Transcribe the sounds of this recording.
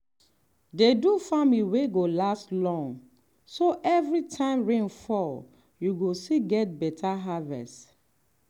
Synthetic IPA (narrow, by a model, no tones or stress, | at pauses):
dedufamiweɡolastlɔ̃ŋ | soʔɛvɹitʰãɪ̃mɹẽnfɔ | juɡosiɡɛt̚bɛtʰaɦavɛ̰st